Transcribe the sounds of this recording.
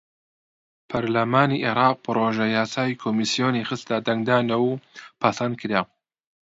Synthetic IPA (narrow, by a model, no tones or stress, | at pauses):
pʰɐɾlɐmaːniʔeɾɑːq̚pɨɾoːʒɐjaːsaːjikʰoːmisijoːnixɨst̪ad̪ɐŋɡd̪aːnɐwpʰɐsɐnd̪̚kʰɨɾa